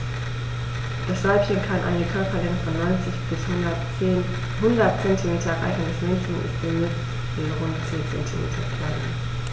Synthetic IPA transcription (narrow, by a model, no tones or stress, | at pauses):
d̥asz̥alpçənkʰanʔa̰ɪnəkʰœɐpʰɐlɪŋfɔnːɔɪnt͡sɪçb̥ɪshʊɐ | hʊndɐtt͡sɛntʰimeːtʰɐɛʁa̰ɪɡənəsmɛnçən̩ʔɪ̰std̥emɪs | v̥iːʁʊntt͡seːnt͡sɛ̰ntʰimḛːtʰɐ̰kʰanən